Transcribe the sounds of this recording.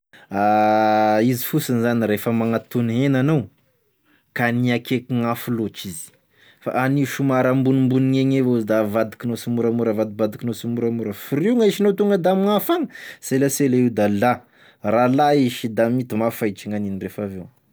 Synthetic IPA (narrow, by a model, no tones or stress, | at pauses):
a | izi̥fusanizaniɾefəmaŋat̪unɦenanaw | kaniakekiŋafulot͡ʃizi̥ | fa̰ʔaniʃumaɾambunimbuniŋeŋevozid̪avad̪i̥kinosumuɾamuɾavad̪ibad̪ikinosumuɾamuɾəfuɾiŋaiʃinot̪uŋɡəd̪amiŋafaŋəselaselaiud̪ala | ralaiʃid̪amit̪imafat͡ʃiŋaninirefavew